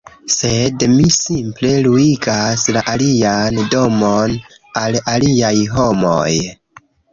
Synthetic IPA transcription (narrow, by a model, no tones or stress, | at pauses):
se̞dmisimple̞luiɡaslaʔaliando̞mon | alaliajɦo̞mo̞̰j